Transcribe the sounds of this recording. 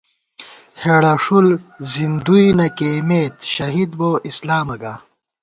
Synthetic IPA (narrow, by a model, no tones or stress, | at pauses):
heɽɐʂulzind̪ujnɐkeːmeːt̪ɕɐɦid̪boislaːmɐɡaː